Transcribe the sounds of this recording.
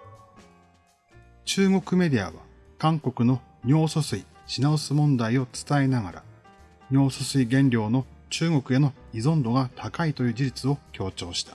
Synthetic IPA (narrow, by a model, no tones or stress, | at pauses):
t͡ɕɨːŋo̞kɯ̟me̞d̪ʲia̰βa̰ | kãŋko̞kɯ̟no̞ | ɲʲo̞ːsosɨi | ɕinaosɨmõ̞nd̪aio̞t͡sɨ̥t̪ae̞naɡa̰ɾa̰ | ɲʲo̞ːsosɨiɡẽ̞nɾʲo̞ːno̞t͡ɕɨːŋo̞kɯ̟e̞no̞izõ̞nd̪o̞ɡat̪ʰakait̪o̞jɯ̟ːd͡ʑiɾit͡sɨo̞kʲo̞ːt͡ɕo̞ːɕi̥t̪ʰḁ